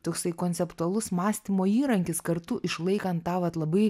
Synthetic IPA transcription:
t̪oːksɐɪkoːnʲsʲɛpt̪uɐlˠʊsmɑːsʲt̪ʲimoːiːɾɐŋʲkʲɪskɐɾt̪ʊʔɪʃlˠɐɪkɐnt̪tɑːʋɐt̪lˠɐbɐɪ

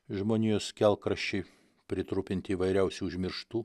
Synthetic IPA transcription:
ʒmoːnʲijʊskʲɛlˠkɾɐʃʲt͡ʃʲɛɪ | pʲɾʲɪt̪ɾʊpʲɪnʲt̪ʲɪiːʋɐɪɾʲɛʊsʲuːʊʒʲmʲɪɾʃt̪uː

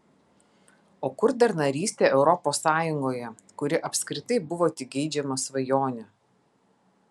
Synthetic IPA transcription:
oːkʊɾd̪ɐɾnɐɾʲiːsʲt̪ʲeːʔɛʊɾɔpoːsːɑːjʊŋɡoːjɛ | kʊɾʲɪʔɐpʲsʲkɾʲɪt̪ɐɪbʊʋoːt̪ʲɪɡʲɛɪd͡ʒʲɛmɐsʋɐjoːnʲɛ

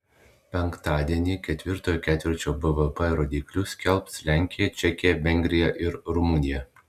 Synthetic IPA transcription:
pʲɛŋkt̪ɑːd̪ʲiɛnʲiːkʲɛt̪ʲʋʲɪɾt̪oːjoːkʲæːt̪ʲʋʲɪɾʲt͡ʃʲoːbɛʋɛpɛɾoːd̪ʲiːklʲuːsʲkʲɛlˠpslʲæˑŋʲkʲɪjɛt͡ʃʲɛkʲɪjɛʋʲɛŋʲɡʲɾʲɪjɛʔɪɾɾʊmʊnʲɪjɛ

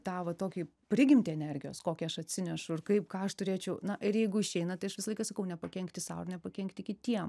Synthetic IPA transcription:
t̪ɑːʋɐt̪oːkʲiː | pʲɾʲɪɡʲɪmʲt̪ʲɪɛnʲɛrʲɡʲɪjoːskoːkʲiɐʃɐt̪ʲsʲɪnʲɛʃʊɪrkɐɪpkɑːɐʃt̪ʊɾʲeːt͡ʃʲɛʊnɐʔɪɾjɛɪɡʊɪʃʲɛɪnɐt̪ɐɪɐʃʋʲɪsɐlˠɐɪkɐsɐkɐʊnʲɛpɐkʲɛŋkt̪ʲɪsɑ̰ʊɪrnʲɛpɐkʲɛŋkt̪ʲɪkʲɪt̪ʲiɛm

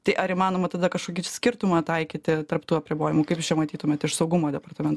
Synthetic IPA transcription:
t̪ɐɪʔɐɾɪmɑːnoːmɐt̪ɐd̪ɐkɐʃkoːkʲisʲkʲɪrt̪ʊmɑːt̪ɐɪkʲiːt̪ʲɪt̪ɐrpt̪uːɐpʲɾʲɪboːjɪmʊkɐɪpt͡ʃʲɛmɐt̪ʲiːt̪ʊmʲɛt̪ɪʃsɐʊɡʊmoːd̪ʲɛpɐrt̪ɐmʲɛnt̪

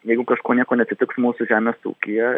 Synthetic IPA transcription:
jɛɪɡʊkɐʃkoːnʲiɛkoːnʲɛt̪sʲɪt̪ʲɪksmuːsʊʒʲæːmʲeːsṵːkʲɪjɛ

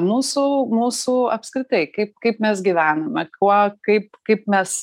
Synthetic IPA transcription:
muːsuːmuːsuːɐpskɾʲɪt̪ɐɪkɐɪp̚kɐɪpmʲɛsɡʲiʋʲæːnɐmʲɛkuɔkɐɪpkɐɪpmʲɛs

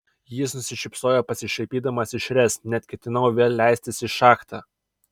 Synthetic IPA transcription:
jɪsnʊsʲɪʃʲɪpsoːjɛpɐsʲɪʃʲɐɪpʲiːd̪ɐmɐsɪʃʲɾʲɛsnʲɛt̪ʲkʲɛt̪ʲɪnɐʊʋʲeːlʲlʲæɪsʲt̪ʲɪsɪʃɑːkt̪ɑ

